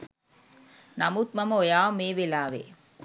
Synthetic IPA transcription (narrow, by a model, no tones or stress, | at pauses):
nɐmut̪̚mɐmojaːmeːʋelaːʋḛː